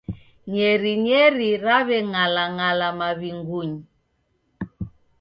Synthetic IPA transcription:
ɲɛɾiɲɛɾiɾaβɛŋalaŋalamaβiŋɡuɲi

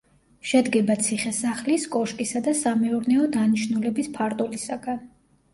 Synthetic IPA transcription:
ʃɛd̪ɡɛbat̪sʰiχɛsaχliskʼɔʃkʼisad̪asamɛuɾnɛɔd̪aniʃnulɛbispʰaɾt̪ʼulisaɡan

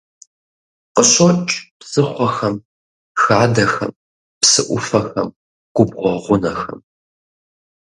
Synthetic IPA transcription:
qəɕot͡ʃʼpsɨχʷɔxɐm | xaːdɐxɐ̰m | psɨʔʷʊfɐxɐm | ɡ̥ʷʊbʁʷɔʁʷʊnɐxɐ̰m

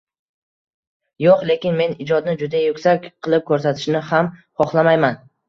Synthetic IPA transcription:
joqlˠe̞kʲɪnme̞nɪd͡ʒɒd̪nɪd͡ʒʊd̪ajʊkʲsakʲqʰɨlˠɪp̚kʰɵɾsat̪ʰɪ̥ʃnɪhamχɒχlˠamajman

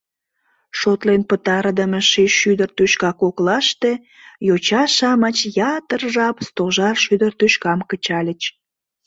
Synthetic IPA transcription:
ʃot̪lenpət̪ɑɾd̪əməʃeʃyd̪ərt̪øʃkɑkoklɑʃt̪e̽ | jot͡ɕɑʃɑmət͡ɕjɑt̪ərʒɑpst̪oʒɑrʃyd̪ərt̪øʃkɑmkət͡ɕɑlʲət͡ɕ

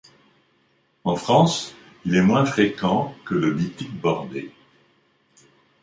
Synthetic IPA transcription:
ɑ̃fχɑ̃s | ilɛmwɛ̃fχekɑ̃kələbit̪ik̚bɔʁd̪e

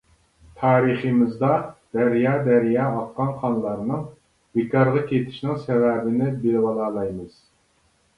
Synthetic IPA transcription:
t̪ʰɑːɾiχəmɨzd̪ɑd̪̥æɾjɑːd̪æɾjɑːɑqːɑnχʰɑnlˠɑɾnɨŋ | bekɑɾʁɑkʲʰet̪ʰɪ̥ʃnɪŋsɛvɛːbɪnɪbɪlwɑlˠɑːlˠɑjmɨz̥

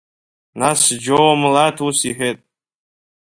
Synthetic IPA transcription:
nasd͡ʒowamlatʰusiħʷᶣetʼ

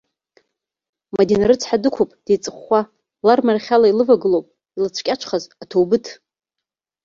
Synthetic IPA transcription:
madenaɾɨt͡sʰħadɨkʷʰupʼd̥ejt͡sʼɨχːa | larmarχʲalailɨvaɡɨlowpʼ | ilɨt͡sʷʰkʲʼaʈ͡ʂʷʰχazatʰowbɨtʰ

